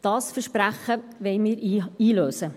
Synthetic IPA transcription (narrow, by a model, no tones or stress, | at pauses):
d̥ɑːsfəʃpræχəʋɛɪmiːɾiːløːsə